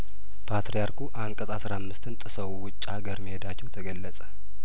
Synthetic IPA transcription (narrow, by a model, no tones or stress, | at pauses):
pʰat̪ɾijaɾkuʔaŋkʼəzʼasɾamːɨst̪ɨnt̪ʼɨsəwwʊt͡ʃʼːhaɡəɾmihed̪at͡ʃːɛwt̪ʰəɡəlːəsʼə̥